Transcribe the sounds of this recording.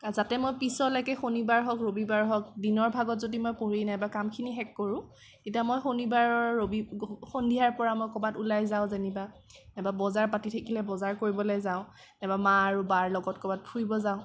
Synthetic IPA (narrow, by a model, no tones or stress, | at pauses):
kazatɛmojpisɔlɔjkɛxonibaɹɦɔkɹobibaɹɦɔk̚dinɔɹbʱaɡɔtzodimojpoɹinajbakamkʰiniɦɛkːɔɹʊ̃ | tetiamojxonibaɹɔɹːobixondiaɹpɔɹamojkɔbatulajzaʊ̃zeniba | nababɔzaɹpatitʰakʰilɛbɔzaɹkoɹibɔlojzaʊ̃ | nɛbamaːɹubaɹlɔɡɔtkɔbat̚pʰuɹibɔzaʊ̃